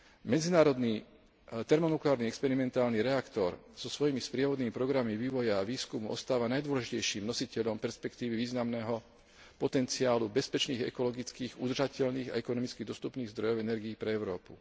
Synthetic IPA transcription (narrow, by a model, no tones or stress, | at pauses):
mɛd͡zinaːɾɔd̪niː | t̪ɛɾmɔnuklaːɾniɛkspɛɾimɛnt̪aːlniɾɛakt̪ɔɾz̥ɔsʋɔjimispɾɪɛʋɔd̪niːmipɾɔɡɾamiʋiːʋɔjaːʋiːskumuʔɔ̰st̪aːʋanajd̪ʊwɔlɛʒicɛjʃiːmnɔsicɛʎɔmpɛɾspɛkt̪iːʋiʋiːznamnɛːɦɔ | pɔt̪ɛnt͡siaːlubɛspɛt͡ʃniːɣɛ̰kɔlɔɡit͡skiːɣud̪r̩ʒacɛʎniːɣa̰ɛkɔnɔmit͡skiɣd̪ɔst̪upniːɣzd̪ɾɔjɔʊɛnɛɾɡiːpɾɛɛʊɾɔːpu